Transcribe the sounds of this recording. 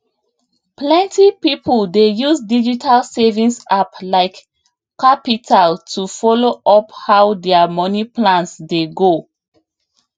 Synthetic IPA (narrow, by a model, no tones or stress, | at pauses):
plɛ̃ntipipʰɔldejusdid͡ʒitʰalsɛvĩnsaplaɪk | kapitʰaltʰufɔloʔɔphawdɛamɔniplãnsdeɡo